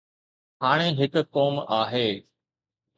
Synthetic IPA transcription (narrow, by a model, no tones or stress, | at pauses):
haːɽ̃eɦɪkkoːmaːɦeː